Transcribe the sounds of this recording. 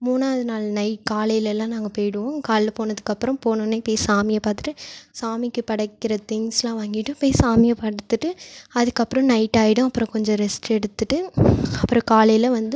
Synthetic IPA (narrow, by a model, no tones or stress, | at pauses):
muːnaːðɯnaːlnɐɪʈkaːlɐjɪlɛlːãːnãːŋɡɐpoːjɽɯʋõːkaːllɐpoːnɐðɯkːɐpːɯɾɐ̃mpoːnɯnːepoːjisaːmɪjɐpaːt̪ɯ̥ʈːɯsaːmɪkːɯpɐɽɐkːɪɾɐt̪ɪŋslãːʋaːŋɡɪʈːɯ̃poːjsaːmɪjɐpɐɽɯt̪ːɯʈːɯɐðɯkːɐpːɯɾɐ̃nɐɪʈːaːjɪɽɯ̃ɐpːɯɾɔ̃kɔɲd͡ʒɔ̃ɾɛsʈɛɽɯt̪ːɯʈːɯɐpːɯɾɔ̃kaːlɐjɪlɐʋɐnd̪ɯ